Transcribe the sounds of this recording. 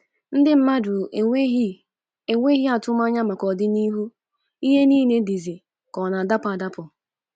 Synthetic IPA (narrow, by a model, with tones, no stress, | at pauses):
n̩˦dɪ˦m̩˦ma˦dʊ˨˦ | e˨ŋʷe˦ɦja˨tʊ˦m˦a˦ɲa˦ma˨kɔ˨dɪ˦ni˦ɦu˦ | i˦ɦe˦niː˦ne˦di˨zi˨ | kɔ˨na˨da˦pʊ˨a˨da˦pʊ˨